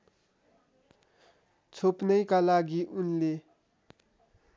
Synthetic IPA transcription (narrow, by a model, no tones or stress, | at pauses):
t͡sʰopnajkalaɡiʔunle